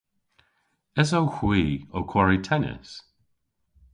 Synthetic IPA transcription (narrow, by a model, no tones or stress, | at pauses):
ɛzowxwiːowkʰwɔɹitʰɛnɪ̰s